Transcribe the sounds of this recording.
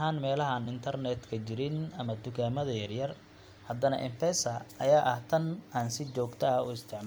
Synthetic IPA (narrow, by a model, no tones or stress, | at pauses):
ɦaːnmɛːlɐɦɐːnɪnt̪ʰɐrnɛd̪kʰɐt͡ʃɪɾɪnɐmɐd̪ʊɡaːmɐðɐjɐrjɐr | hɐd̪ɐnɐ̰ʔɪmfʰɛsɐʔɐjaːʔɐht̪ʰɐnaːnsɪt͡ʃɔːɡt̪ʰɐɐʊ̰ɪst̪ʰɪʕm